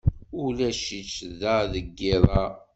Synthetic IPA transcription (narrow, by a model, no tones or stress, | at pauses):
ʊlæʃit͡ʃːðæðəɡːɪðˤɑ